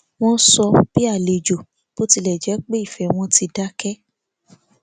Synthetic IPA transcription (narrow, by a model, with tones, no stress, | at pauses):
w̃ɔ̃˦sɔ˧b̥i˦a˦˨le˨d͡ʒo˨ | b̥o˦ti˧lɛ˨d͡ʒɛ˨˦k͡pe˦i˦˨fɛ˨˦w̃ɔ̃˦ti˧da˦kɛ˦